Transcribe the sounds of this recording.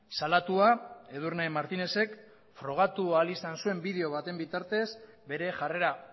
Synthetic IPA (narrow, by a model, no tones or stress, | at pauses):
salat̪uae̞ð̞urnamaɾt̪ine̞se̞k | fɾo̞ɣ̞at̪ualisansue̞mbið̞e̞o̞β̞at̪e̞mbit̪aɾt̪e̞sbe̞ɾe̞ʝare̞ɾa